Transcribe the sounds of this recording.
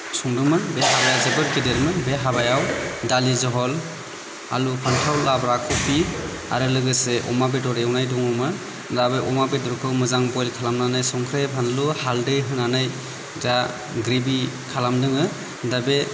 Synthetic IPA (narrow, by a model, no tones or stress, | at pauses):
sɔŋdɯŋmɯnbeɦabajawzebɯɾɡidelmɯnbeɦabajawdalizɔɦɔl | a̰lupʰantʰawlabɾakʰɔpi | a̰ɾɯlɯɡɯseʔɔ̰mabedɔɾeawnajdɔŋɔmɯn | dabeʔɔmabedɔɾkʰɯwmɯzaŋbɔjlkʰalamnanɯjsɔŋkʰɾepʰanluhaldɯjɦɯnanɯj | da | ɡɾibi | kʰalamdɯŋɯ | dabe